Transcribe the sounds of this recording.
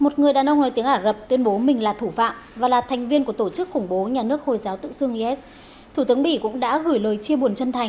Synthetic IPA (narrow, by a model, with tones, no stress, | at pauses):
mo˨˩t̚ŋɨ˨˩əjɗaː˨˩nʔə˧wŋ͡mnɔ˨˦jt̪i˨˦əŋʔaː˧˩zə˨˩p̚t̪wi˧ənɓo˨˦mï˨˩ŋ̟laː˨˩t̪ʰu˧˩fa̰ː˧˨mvaː˨˩laː˨˩t̪ʰɛ˨˩ŋ̟vi˧ənku˧˩ət̪o˧˩t͡ɕɨ˦˥k̚xʊ˧˩ŋ͡mɓo˨˦ɲaː˨˩nɨ˦˥ək̚ho˨˩jzaː˨˦wt̪ɨ̰˧˨sɨ˧əŋ˧ʔɛ˦˥t̚ | t̪ʰu˧˩t̪ɨ˨˦əɓḭ˧˩kʊ̰˧˥ŋ͡mɗa̰ː˧˥ɣɨ˧˩jləː˨˩jt͡ɕi˧əɓu˨˩ənt͡ɕə˧nt̪ʰa˨˩jŋ